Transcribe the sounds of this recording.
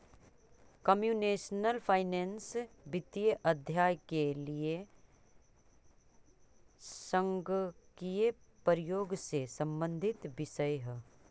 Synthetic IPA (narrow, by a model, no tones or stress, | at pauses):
kɐmjuːneːʃnəlpʰaːɪnẽːnsbɪt̪ijəʔɐd̪ʱjaːjkelie | sə̃ŋɡkijepəɾɪjoːɡsesɐ̃mbə̃nd̪ʱɪt̪ʋɪʃəjɦɛ